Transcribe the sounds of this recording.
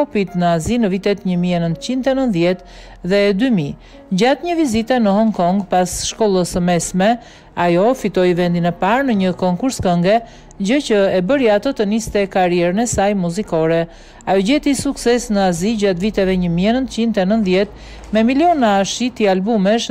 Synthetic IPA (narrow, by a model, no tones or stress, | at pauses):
ɔpit̪nəazinəvit̪ɛt̪ɲəmiɛnənt̪ət͡ɕint̪ɛnənt̪ðjɛt̪ | ðɛd̪ymi | d͡ʑat̪ɲəvizit̪ɛnəɦɔŋkɔŋɡpasʃkɔlˠəsəmɛsmɛ | ajɔfit̪ɔjvɛnd̪inɛpaɾnəɲəkɔŋkuɾskəŋɡɛ | d͡ʑəcəɛbəɾjat̪ət̪ənist̪ɛkaɾjɛɾənɛsajmuzikɔɾɛ | ajɔɟɛt̪isuksɛsnəaziɟat̪vit̪ɛvɛɲəmiɛnənt̪t͡ɕind̪t̪ɛnənt̪ðjɛt̪ | mɛmiljɔnaʃit̪ialbumɛʃ